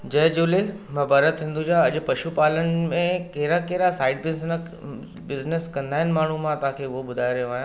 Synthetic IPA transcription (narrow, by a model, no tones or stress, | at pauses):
d͡ʒɐjd͡ʒuːlemɐbaːɾət̪ɦɪ̃nd̪ud͡ʑaɐd͡ʑpɐʃupaːlənmẽkeɦɾakeɦɾasaːɪɖbɪ | bɪznəskɐ̃nd̪ʱaːɦɪnmaːɳ̤ũmãt̪akʰeʋobʊd̪ʱaːjɾɐ̃aːjã